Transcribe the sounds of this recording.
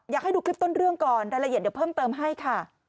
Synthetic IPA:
jaː˨˩k̚a˥˩jduː˧kʰɾi˦˥p̚t̪o˥˩nɾɯ˥˩əŋkɔː˨˩nɾaː˧jla˧ʔi˨˩t̪̚ːwpʰɤː˥˩mt̪ɤː˧mɦa˥˩jkʰa˥˩

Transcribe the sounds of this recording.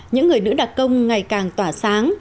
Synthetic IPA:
ɲɨ̰˧˥ŋːɨ˨˩əjnɨ̰˧˥ɗa˨˩t̚kə˧wŋ͡mŋa˨˩jkaː˨˩ŋt̪waː˧˩saː˨˦ŋ

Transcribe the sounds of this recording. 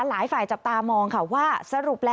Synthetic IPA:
laː˩˦jfaː˨˩jt͡ɕa˨˩p̚t̪aː˧mɔː˧ŋkʰa˥˩waː˥˩sa˧ɾu˨˩p̚lɛː˦˥

